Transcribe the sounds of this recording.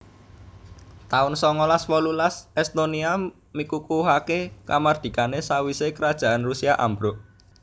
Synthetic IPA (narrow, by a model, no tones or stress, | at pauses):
t̪aʊnsɔŋɔlaswɔlulasɛst̪onia | mikukuɦakekamard̪̥i̤kanesawisekəɾad̥ʒ̥a̤ʔanrusiaʔa̰mbɾoʔ